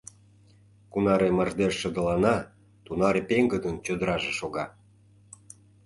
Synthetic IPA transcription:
kunɑɾemərd̪eʃːəd̪ə̆lɑnɑ | t̪unɑɾepeŋɡəd̪ənt͡ɕød̪əɾɑʒeʃoɣɑ

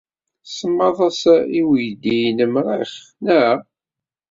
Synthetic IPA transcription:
səmːɑðˤɑsæiwjd̪ijnəmɾḭχ | næ

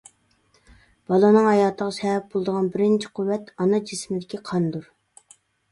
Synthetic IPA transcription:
b̥ɑlˠɑnɨŋhɑjɑːt̪ʰəʁɑsɛbɛp̚bolˠɨd̪əʁɑnbɪɾɪnt͡ʃʰɪ̥qʰuwːɛt̪ɑnɑd͡ʒɪsmɪd̪ɪkʲiqʰɑnd̪uɾ

